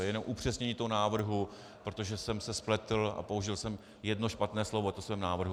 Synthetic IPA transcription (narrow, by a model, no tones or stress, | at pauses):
jɛnomʔupr̥ɛsɲɛɲiːt̪oɦonaːvr̩ɦu | pɾot̪o̞ʒɛsɛmsɛsplɛt̪l̩a̰pouʒɪlsɛm | jɛdno̞ʃpat̪nɛːslo̞vot̪osvɛːmnaːvr̩ɦu